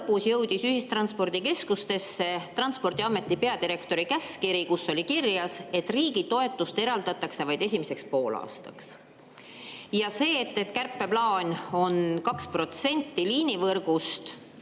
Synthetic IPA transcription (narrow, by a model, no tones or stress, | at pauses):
lpːusjɤwd̪̥isyhist̪ɾrɑnspo̞rd̪̥ike̞skust̪e̞sːe̞t̪rɑnspo̞rd̪iɑmːe̞t̪ˑːipe̞ɑd̪iɾe̞kt̪o̞ɾikæskiɾikusːo̞lʲikirjɑse̞t̪ːˑriːɡ̥it̪o̞e̞t̪ːˑust̪e̞ɾɑld̪ɑt̪ːˑɑkse̞vɑjd̪̥e̞sʲimise̞kspo̞ːlɑ̰ːst̪ɑ̰ks | jɑse̞ːt̪ːet̪kærpːe̞plɑːnʲo̞nkɑkspro̞t̪se̞nʲt̪ːiliːnʲivɤrɡ̥ust̪